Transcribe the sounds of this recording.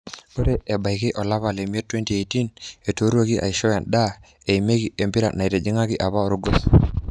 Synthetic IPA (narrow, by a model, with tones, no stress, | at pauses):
ko˦te˦ʔe˨ba˨jki˦ʔɔ˨la˦βa˨le˨m˦e˦tːwe˦nti˨e˨ti˦ne˨to˨˦ɾwo˦ki˦ʔa̰˨i˨ʃɔ˦ja˨nda˦ | e˨ime˦ki˨ʔe˨mbi˦ɾa̰˨na˨i˨te˨d͡ʒi˦ŋa˦ki˦ʔa˨pa˦ɾu˦ɡo˦s